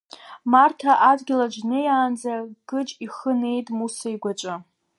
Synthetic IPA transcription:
martʰaʔadɡʲɪlad͡ʒnɨjaːnd͡zaɡ̥ɨt͡ʃʼiχəne̞jtʼmusaiɡʷat͡ʃʷʼɨ

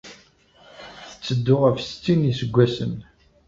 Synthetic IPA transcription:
θθət͡sːəd̪ːʊʁævst͡sːinisəɡʷːæsə̰n

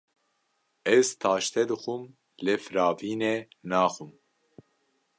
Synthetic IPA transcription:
ɛzt̪ʰɑːʃt̪ʰɛd̪ɨxum | lefɨɾɑːviːnenaːxum

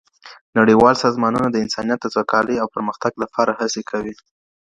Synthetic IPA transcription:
naɽiwɑlsɑzmɑnunad̪əɪnsɑnjat̪̚d̪əzwakɑləjawpəɾməxt̪aɡlapʰɑɾahasekʰawi

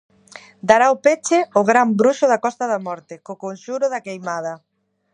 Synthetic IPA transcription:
d̪aɾaopet͡ʃɪʊɣɾambɾuʃʊðakɔst̪ɐðɐmɔɾt̪ɪkokonʃuɾʊðakejmað̞ɐ

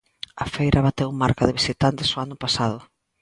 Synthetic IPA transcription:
ɐfejɾʔaβat̪ewmaɾkaðɪβisit̪ant̪ɪsʊanʊpasaðʊ

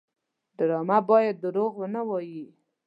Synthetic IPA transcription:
d̪əɾɑmabɑjad̪̚ːəɾoɣwənawɑji

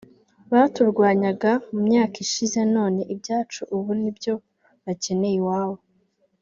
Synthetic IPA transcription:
βatuɾɡwaːɲaɡamumɲaːkiʃize̞no̞ːne̞ʔibɟaːt͡ʃuʔuβunibɟo̞ | βace̞ne̞jiwaːwo

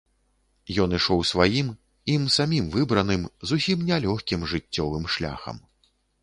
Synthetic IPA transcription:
jɔnɨʂɔwsvajim | imsamʲimvɨbɾɐnɨmzusʲimnʲɛlʲɔxʲkʲimʐɨt͡sʲːɔvɨmʂlʲa̰xɐ̰m

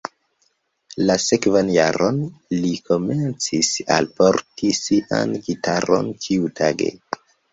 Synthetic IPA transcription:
lase̞kvanjaɾʔo̞nlikʰo̞me̞nt͡sisa̰lpo̞ɾtisiʔa̰nɡitʰaɾo̞̰nkʰiutʰaɡe̞̰

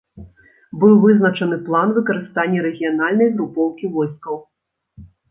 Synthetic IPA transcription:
bɨwvɨznɐt͡ʂɐnɨplˠanvɨkɐɾɨst̪anʲːɛɾɛɣʲijanalʲnɐjɣɾupɔwkʲivɔjskɐw

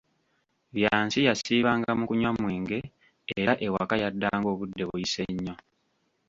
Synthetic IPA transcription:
βjaːnsijasiːβaːŋɡamukuɲwamwiːŋɡe̞ː | ɾaʔe̞wakajadːaːŋɡo̞ːβudːe̞βujise̞ɲːo̞

